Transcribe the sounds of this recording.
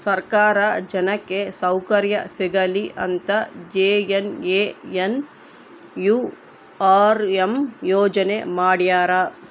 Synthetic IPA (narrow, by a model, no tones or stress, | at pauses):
sɐɾkaːɾɐd͡ʒɐnɐkːesɐwkɐɾjɐsiɡɐliʔɐ̰nt̪ɐd͡ʒeːjeneːjen | juː | aːɾemjɔːd͡ʒɐnḛmaːɽjaːɾɐ